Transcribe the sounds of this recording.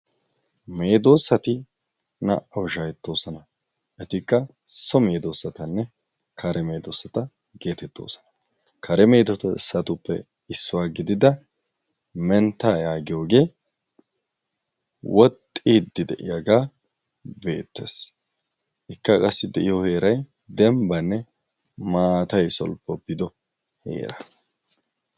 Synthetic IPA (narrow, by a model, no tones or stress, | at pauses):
meːd̪o̞ːsːɐt̪ɪ | nɐ̰ʔɐwʃajɛt̪ːo̞ːsɔnɐ | ʔɛt̪ɪkːɐ | sɔme̞ːd̪oːsːɐt̪ɐnːɛ | kʰɐɾɛme̞ːd̪oːsɐt̪ɐ | ɡe̞ːt̪ɛt̪ːo̞̰ːsɔ̥nɐ̥ | kɐɾɛme̞ːd̪ɐt̪ɪsːɐt̪ʊpːɛ̰ | ɪsːʊwaːɡɪd̪ɪd̪ɐ | mɛnt̪ːaːjaːɡɪjo̞ːɡe̞ː | wʔɔt̪ʼːɪd̪ːɪd̪ɛʔɪ̰jaɡaː | be̞ːt̪ːḛːs | ɪkːɐkʼɐsːɪd̪ɛʔɪjɔhe̞ːɾɐj | d̪ɛmbɐnːɛ | maːt̪ɐjsɔ̰lpːɔpːɪd̪ɔ | he̞̰ːɾɐ